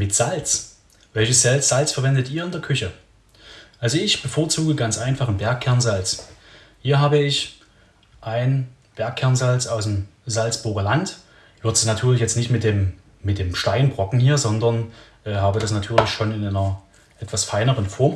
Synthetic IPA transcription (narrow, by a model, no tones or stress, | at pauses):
mɪtz̥alt͡s | vɛlçəsz̥alt͡sz̥alt͡sfɛɐvɛndətʔiːɐɪndeɐkʰʏçə | ʔalzoɪçb̥əfoːɐt͡suːɡəɡant͡sʔaɪnfaχn̩bɛɐkʰɛɐnzalt͡s | hiːɐɦaːbəɪç | ʔaɪn | b̥ɛɐkʰːɛɐnzalt͡sʔaʊsmzalt͡sb̥ʊɐɡɐlant | v̥ɪɐtnatʰyːɐlɪçjɛt͡stnɪçtmɪt̚d̥eːmː | ɪt̚d̥eːmʃtaɪnbʁɔkŋ̩hiːɐzɔndɐnʔɛːhaːbədasnatʰyːɐlɪçʃoːnɪnʔaɪnɐ | ʔɛtv̥asfaɪnəʁənfɔɐm